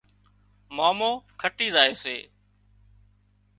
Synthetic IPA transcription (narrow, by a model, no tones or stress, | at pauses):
maːmoːkʰəʈiːzaːeːsḛː